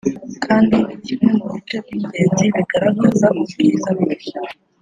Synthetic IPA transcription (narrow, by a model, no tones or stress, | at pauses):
kʰaːndiβicimemuβitebɟiːɟeːnziβiɡaɾaɡazamuzuɡizaβiʃa